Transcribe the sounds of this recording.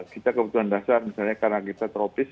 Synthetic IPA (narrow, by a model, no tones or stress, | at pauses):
kit̪akəbut̪uandasarmisalɲakarnakit̪at̪əɾopɪs